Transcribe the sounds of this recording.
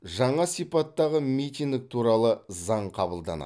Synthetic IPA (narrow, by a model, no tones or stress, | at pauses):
ʒɑɴɑsijpɑt̪ːɑʁəmijt̪iŋd̪ɪk̚t̪ʰuɾɑlˠəzɑɴqʰɑbəlˠd̪ɑ̰nɑ̰